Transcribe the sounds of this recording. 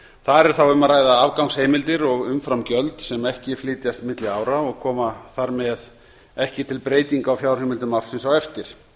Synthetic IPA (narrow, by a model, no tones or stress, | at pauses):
θaðɛɾ̥θawʏmaɾaːjðaavkawŋsheːjmɪlt̪ɪɾɔɣʏmfɾamcœlt̪sɛmɛhcɪflɪːt̪jast̪mɪt̪lɪaːwɾaɔɣkʰɔːmaθaɾmɛð | ɛhcɪt̪ʰɪlpɾeːjt̪iŋkawfjawɾ̥hejmɪlt̪ʏmawɾ̥sɪnsawɛft̪ɪɾ̥